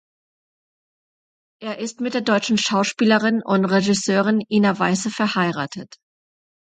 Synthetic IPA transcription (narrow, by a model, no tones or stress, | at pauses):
ʔeːɐʔɪstmɪt̚d̥eːɐdɔʏt͡ʃn̩ʃaʊʃpiːləʁɪnʊntʁeʒɪsøːʁɪnʔiːnavaɪsəfɛɐhaɪʁa̰ːtʰət